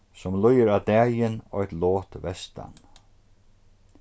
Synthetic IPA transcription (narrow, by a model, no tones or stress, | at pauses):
sɔmlʊjəɾad̪ɛːjɪnɔ̰jt̪lɔːt̪vɛst̪ʰa̰n